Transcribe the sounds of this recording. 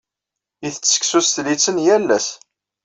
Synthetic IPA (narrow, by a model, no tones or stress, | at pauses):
iθət͡sːə̥ksusθlit͡sːənjælːæs